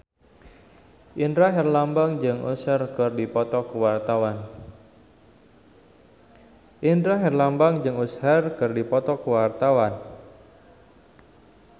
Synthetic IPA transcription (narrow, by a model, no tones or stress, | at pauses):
ʔindɾaɦɛrlambaŋd͡ʒɨŋʔṵsərkərdipɔt̪ɔkəwart̪awan | ʔindɾaɦɛrlambaŋd͡ʒɨŋusharkɨrdipɔt̪ɔkəwart̪awan